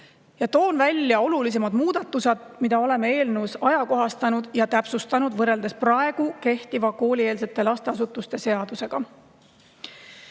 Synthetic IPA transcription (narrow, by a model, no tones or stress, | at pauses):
jɑt̪o̞ːnvælʲːjɑo̞lulis̬e̞mɑd̪muːd̪̥ɑt̪ːˑused̪̥̚mid̪̥ɑo̞le̞mee̞ːlnewsɑjɑko̞ɦɑst̪ɑnud̪̥jɑt̪æpsust̪ɑnud̪̥vɤre̞ld̪̥esprɑe̞ɡ̥uke̞ht̪ivɑko̞ːlʲie̞ːlse̞t̪ːˑe̞lɑst̪e̞ɑs̬ut̪ːˑust̪e̞se̞ɑd̪̥use̞ɡ̥ɑ